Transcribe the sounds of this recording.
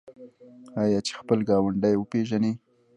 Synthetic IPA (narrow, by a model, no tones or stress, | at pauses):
ɑjɑt͡ʃe̥xpəlɡɑwaɳɖajwəpeʒane